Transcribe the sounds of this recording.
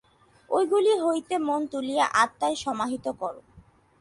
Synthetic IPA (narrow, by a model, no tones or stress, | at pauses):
ojɡuliɦojt̪emont̪ulijaʔat̪ːaeʃɔmaɦit̪okɔɾo̰